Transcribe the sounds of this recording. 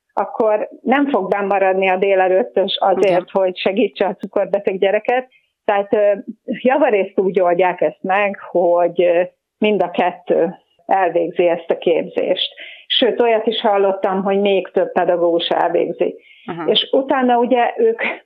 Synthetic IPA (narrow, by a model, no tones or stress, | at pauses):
ʔɒkʰːo̞rnɛɱfo̞ɡbɛmːɒɾɒd̪niɒd̪eːlɛɾøːt̪ːøʃɒzeːrt̪ho̞ɟʃɛɡiːt͡ʃːɛɒt̪t͡suko̞rbɛt̪ɛɡɟɛɾɛkɛt̪ː | ɛɦaːt̪ːjɒvɒɾeːst̪uːɟo̞lɟaːkɛst̪mɛɡhoɟ | mind̪ɒkɛt̪ːøː | ɛlveːɡziɛst̪ɒkeːbzḛːʃt̪ʃøːt̪o̞jɒt̪iʃhɒlːo̞t̪ːɒmɦo̞ɟmeːkt̪øb̚pɛd̪ɒɡoːɡuʃɛ̰lvḛːɡzḭk | eːʃut̪aːnːɒuɟɛʔøːk